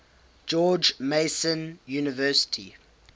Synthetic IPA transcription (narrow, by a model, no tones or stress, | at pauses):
d͡ʒɔːd͡ʒmeɪsə̃njuːnɪvɜːˑsɪ̥tʰḭ